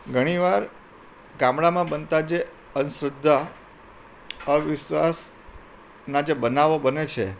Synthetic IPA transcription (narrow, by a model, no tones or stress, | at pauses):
ɡʱəɽ̃iʋaɾ | ɡãmɽamãbənt̪ad͡ʒe | ənsɾəd̪ʱːa | əʋɪʃʋas | nad͡ʒebənaʋobənet͡ʃʰe